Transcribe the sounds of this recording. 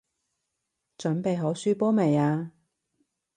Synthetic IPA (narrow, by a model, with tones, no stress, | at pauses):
t͡ʃɵ˨˥npe˨jɦo˨˥wsyː˥pɔː˥me˨jaː˧